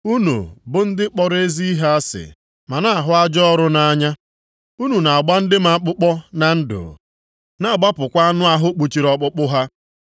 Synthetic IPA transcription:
u˦nṵ˨bʊ˦n̩˦dɪ˦k͡pɔ˨ɾe˦zi˦i˦ɦa˦a˦sɪ̰˨ | ma˨na˦a˨ɦʊ˦a˦d͡ʒɔ˦ɾʊ˦na˦a˦ɲa˦ | u˦nu˨na˨a˨ɡ͡ba˦n̩˦dɪ˦m˦a˨˦k͡pʊ˦k͡pɔ˦na˨n̩˦dʊ̰˨ | na˦˨ɡ͡ba˦pʊ˨kʷa˦a˦nʊ˦a˦ɦʊ˦k͡pu˨t͡ʃi˨ɾɔ˦k͡pʊ˦k͡pʊ˦ɦa˦

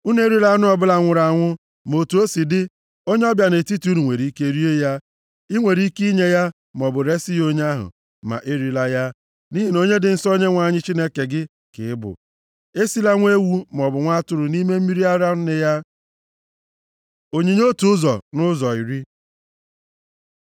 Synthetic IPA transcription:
u˦n˦e˦ɾi˦la˦nʊ˦ɔ˨bʊ˦la˨ŋʷʊ˨ɾa˨ŋʷʊ˦ | mo˨tu˨o˦si˨dɪ˦ | o˦ɲe˦ɔ˦bja˨ne˨ti˦ti˨˦u˦nu˨ŋʷe˨ɾi˨˦ke˦ɾi˦e˦ja˦ | i˦ŋʷe˨ɾi˦ki˦ɲe˦ja˦ | m˨ɔ˨bʊ˨ɾe˦si˦jo˦ɲ˦a˦ɦʊ̰˨ | ma̰˨ʔe˦ɾi˨la˦ja˦ | ni˦ɦi˨no˦ɲe˦dɪ˨n̩˦sɔ˦ɲe˦ŋʷa˨ɲɪ˦t͡ʃi˦ne˦ke˨ɡɪ˦ | kɪ̰˨ɪ˦bʊ̰˨ | e˦si˦la˦ŋʷe˦wu˦m˨ɔ˨bʊ˨ŋʷa˦tʊ˦ɾʊ˨ni˦me˦m̩˦mi˦ɾi˦a˦ɾa˦nɪ˦ja˦ | o˨ɲe˨ɲ˦o˦tu˦ʊ˦zɔ˨nʊ˦zɔ˨i˨ɾi˦

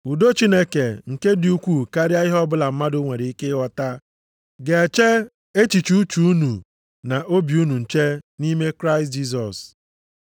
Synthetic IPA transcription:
u˨do˦t͡ʃi˦ne˦ke˨ŋ̩˨ke˦dɪ˨u˦kʷu˦˨ka˦ɾja˦ɪ˦ɦɔ˦bʊ˦la˨m̩˦ma˦dʊ˦ŋʷe˨ɾe˨i˦ke˦wɔ˨ta˦ | ɡe˨e˨t͡ʃe˦ | e˦t͡ʃi˨t͡ʃu˦u˦t͡ʃu˨u˦nu˨ | na˨ʔo˦bju˦nu˨n̩˨t͡ʃe˦ni˦me˦kɾa˦ɪ˨std͡ʒi˦s̬ɔ˨s

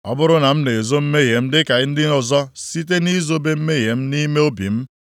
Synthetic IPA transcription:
ɔ̰˦bʊ˦ɾʊ˦na˨m̩˦ne˨e˨zo˦m̩˦me˦ɦe˨m̩˦dɪ˦ka˨ɪ˦n̩˦dɪ˦ʊ˨zɔ˦si˦t̬e˦ni˦zo˦be˦m̩˦me˦ɦe˨m̩˦ni˦me˦o˦bḭ˨m̩˦

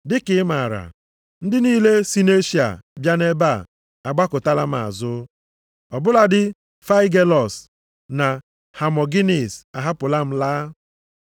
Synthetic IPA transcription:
dɪ˦kɪ˦ma˨ɾa̰˨ | n̩˦dɪ˦niː˦le˦si˦ne˦ʃi˨a̰˨bja˦ne˦ba˦˨ | a˨ɡ͡ba˦kʊ˨ta˦la˦m̩˦a̰˨zʊ˦ | ɔ˨bʊ˦la˦dɪ˦ | fa˦i˦ɡe˦lɔ˨s | na˨ | ha˨mɔ˨ɡi˦ni˨sa˨ɦa˦pʊ˨la˦m̩˦laː˦

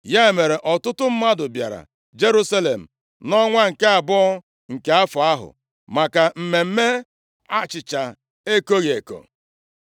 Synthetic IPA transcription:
ja˦e˨me˨ɾe˨ʔɔ˨tʊ˦tʊ˦m̩˦ma˦dʊ˨bja̰˨ɾa̰˨ | d͡ʒe˦ɾu˦sa˦le˨m̩˨ | nɔ˦ŋʷa˦ŋ̩˨ke˦a˨bʊ˦ | ŋ̩˨ke˨˦a˦fʊ˨a˦ɦʊ̰˨ | ma˨ka˨m̩˨me˨m̩˦me˦ | a˦t͡ʃɪ˨t͡ʃa˨ | e˦ko˦ɣe˨ko̰˨

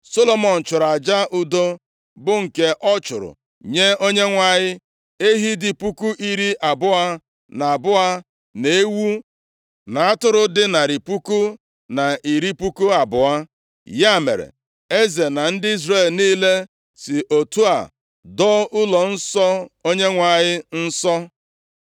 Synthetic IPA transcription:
so˦lo˨mɔ˨n̩˨t͡ʃʊ˨ɾa˨d͡ʒa˦ʔʊ˦do˦ | bʊ˦ŋ̩˨ke˦ʔɔ˦t͡ʃʊ˨ɾʊ̰˨ | ɲe˦o˦ɲe˦ŋʷa˨ɲɪ˦ | e˦ɦi˦dɪ˨pu˦ku˦ʔi˦ɾi˦ʔa˨bʊ˦a˦ | na˨a˨bʊ˦a˦ | ne˨˦e˦wu˦ | na˨a˦tʊ˦ɾʊ˦dɪ˦na˨ɾi˨pu˦ku˦ | na˨i˨ɾi˦pu˦ku˦a˨bʊ˨a˦ | ja˦˨mḛ˨ɾḛ˨ | e˦ze˨na˨n̩˦dɪ˦i˦zre˦˨lniː˦le˦ | sɪ˨ʔo˨tu˦a̰˨ | dɔ˦ʊ˦lɔ˨n̩˦sɔ˦o˦ɲe˦ŋʷa˨ɲɪ˦n̩˦sɔ˦

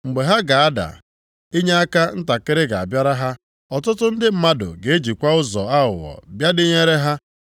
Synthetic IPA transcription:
ŋ͡m̩˨ɡ͡be˨ɦa˦ɡa˨a˦da̰˨ | i˦ɲe˦a˦ka˦n̩˦ta˨kɪ˦ɾɪ˦ɡa˨a̰˨bja˦ɾa˦ɦa˦ | ɔ˨tʊ˦tʊ˦n̩˦dɪ˦m̩˦ma˦dʊ̰˨ɡe˨e˦d͡ʒi˨kʷa˦ʊ˦zɔ̰˨a˦ʊ˨wɔ̰˨bja˦dɪ˦ɲe˦ɾe˦ɦa˦

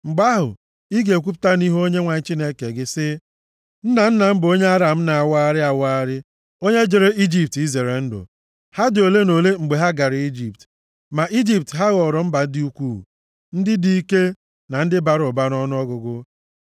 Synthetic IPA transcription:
ŋ͡m̩˨ɡ͡ba˦ɦʊ̰˨ | i˦ɡe˨kʷu˦p̬ʊ̥˦ta˦ni˦ɦo˦ɲe˦ŋʷa˨ɲ̩˦t͡ʃi˦ne˦ke˨ɡɪ˦sɪ˦ | n̩˦na˨n̩˦na˨m̩˦bo˦ɲe˦a˦ɾa˨m̩˦na˨a˨wa˦a˦ɾɪ˦a˨wa˦ɾɪ˦ | o˦ɲe˦d͡ʒe˨ɾe˦ʔi˦d͡ʒi˨p̚ti˦ze˨ɾe˨n̩˦dʊ̰˨ | ha˦dɪ˨o˨le˦no˨le˦ŋ͡m̩˨ɡ͡be˨ɦa˦ɡa˨ɾɪ˨i˦d͡ʒi˨p̚t | ma˨ʔi˦d͡ʒi˨p̚tɦa˦ɣɔ˨ɾɔ˨m̩˦ba˨˦dɪ˦u˦kʷṵ˦˨ | n̩˦dɪ˦di˨i˦ke˦ | na˨n̩˦dɪ˦ba˨ɾʊ˨ba˦ɾɔ˦n˦ɔ˦ɡʊ˨ɡʊ˦

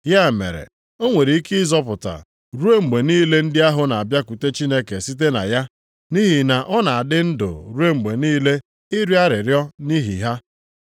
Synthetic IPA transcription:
ja˦˨mḛ˨ɾḛ˨ | o˦ŋʷe˨ɾi˨i˦ki˦zɔ˦pʊ˨ta̰˨ | ɾu˦e˦ŋ͡m̩˨ɡ͡be˨niː˦le˦n̩˦dɪ˦a˦ɦʊ˨na˨a˨bja˦ku˨te˦t͡ʃi˦ne˦ke˨si˦t̬e˦na̰˨ja˦ | ni˦ɦi˨na˨ʔɔ˦na˨a˨dɪ˦n̩˦dʊ̰˨ɾu˦e˦ŋ͡m̩˨ɡ͡be˨niː˦le˦ | ɪ˦ɾi˦a˦ɾɪ˨ɾjɔ˦ni˦ɦḭ˨ɦa˦

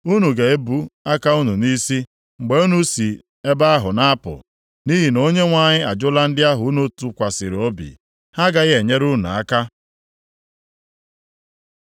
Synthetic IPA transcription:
u˦nu˨ɡa˨e˦bu˦a˦ka˦u˦nu˨ni˦si˦ | ŋ͡m̩˨ɡ͡be˦u˦nu˨˦si˨ | e˦ba˦a˦ɦʊ̰˨na˦a˦pʊ̰˨ | ni˦ɦi˨no˦ɲe˦ŋʷa˨ɲɪ˦a˨d͡ʒʊ˦la˦n̩˦dɪ˦a˦ɦʊ˨u˦nu˦tu˨kʷa˨sɪ˨ɾo˦bḭ˨ | ha˦ɡa˦ɣe˨ɲe˦ɾu˦nʊ̰˨a̰˦ka˦

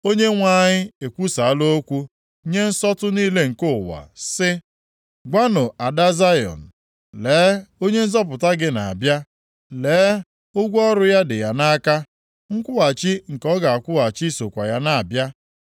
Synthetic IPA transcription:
o˦ɲe˦ŋʷa˦ɲɪ˦e˨kʷu˦sa˨a˦lo˦kʷu˦ | ɲe˦n̩˦sɔ˦tʊ˦niː˦le˦ŋ̩˨ko˦˨wa̰˨sɪ˦ | ɡʷa˦nʊ˨a˨da˦za˦jɔ̰˨n̩˨ | leː˨˦o˦ɲe˦n̩˦zɔ˦p̬ʊ˨ta˦ɡɪ˦na˨a̰˨bja˦ | leː˨˦ | ʊ˦ɡʷɔ˦ɾʊ˦ja˦dɪ˨ja˨na˦ka˦ | ŋ̩˦kʷʊ˦a˨t͡ʃi˦ŋ̩˨kɔ˦ɡa˨a˨kʷʊ˦a˨t͡ʃi˦so˨kʷa˨ja˦na˦a˨bja˦

